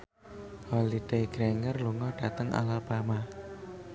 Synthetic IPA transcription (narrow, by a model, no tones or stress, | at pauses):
hɔlid̪̥eɡ̥ɾeŋərluŋɔɖ̥a̤t̪əŋʔa̰lapama